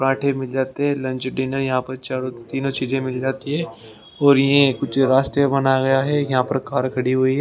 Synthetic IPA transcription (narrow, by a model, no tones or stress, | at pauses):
pɾãːʈʰẽmɪld͡ʒaːt̪eɦɛ̃lɐ̃nt͡ʃɖeːnəɾjɐɦãpɐɾt͡ʃaːɾot̪iːnõt͡ʃiːzẽmɪld͡ʒaːt̪iɦɛː | ɔːɾjɐɦẽkʊt͡ʃʰɾaːst̪ɾebɐnaɡɐjaɦɛjɐɦãpɐɾkaːɾkʰɐɽiɦuiɦɛ